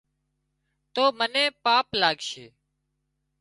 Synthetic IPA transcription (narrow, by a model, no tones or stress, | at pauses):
t̪oːmənẽːpaːplaːɡʃḛː